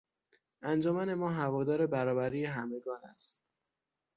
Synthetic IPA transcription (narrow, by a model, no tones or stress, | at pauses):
ʔænd͡ʒɒːmæne̞mɒːɦævɒːd̪ɒːɾe̞bæɾɒːbæɾiːjeɦæme̞ɡɒːnæ̰st̪̚